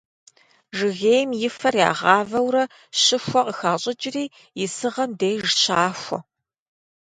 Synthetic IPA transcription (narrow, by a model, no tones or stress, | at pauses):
ʒɨɣeːjmjɪfɐrja̰ːʁɑːvɐwɾɐ | ɕɪxʷɔqəxaːɕʼɪd͡ʒɪriː | jɪsɨʁɐmdejʒɕaːxʷɔ̰